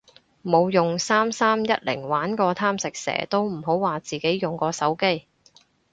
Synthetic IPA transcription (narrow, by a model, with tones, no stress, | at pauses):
mo˨˧wjʊ˨˩ŋsaː˥msaː˥mjɐ˥t̚lɪ̰˨˩ŋwaː˨˥nkɔː˧t̪ʰaː˥msɪ˨k̚sɛ̰ː˨˩t̪o˥wm̩˨˩ɦo˨˥wwaː˨t͡siː˨˩ke˨˥jjʊ˨˩ŋkɔː˧sɐ˨˥wke˥j